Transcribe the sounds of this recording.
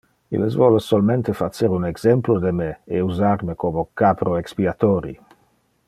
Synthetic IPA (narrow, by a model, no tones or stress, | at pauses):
ḭlesvɔlsolment̪efat͡ʃeɾunɛɡz̥ɛmplod̪emeeuzarmekomokapɾoekspiat̪ɔːɾḭ